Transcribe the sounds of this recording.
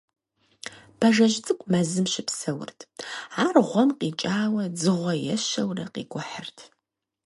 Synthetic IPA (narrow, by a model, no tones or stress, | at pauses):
b̥ʰɐʒɐʒt͡sʼɨkʷʼmɐzɨmʃɪpsɐwʊ̰rtʰaːrʁʷɔmqiːt͡ʃʼaːwɐd͡zɨʁʷɔjɛʃɐwrɐqḭːɡʷʊħərtʰ